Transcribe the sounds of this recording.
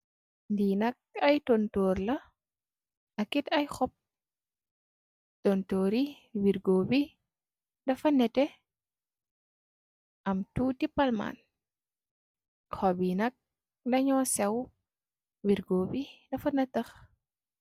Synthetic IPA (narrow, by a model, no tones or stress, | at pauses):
ndiːnɐk̚ɐjtɔntɔːrlɐ | ʔɐkitɐjxɔp̚ | tɔntɔːɾi | wiɾɡoːbi | dɐfɐnɛtɛ | ʔɐmtuːtipɐlma̰ːn | xɔbinɐk̚ | ndɐɲɔːsɛw | wiɾɡoːbidɐfɐnɐtɐx